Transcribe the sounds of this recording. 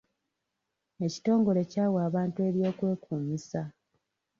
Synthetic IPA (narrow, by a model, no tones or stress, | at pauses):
e̞ci̥to̞ːŋɡo̞le̞caːwaːβaːntue̞ɾjo̞ːkwe̞ːkuːmisa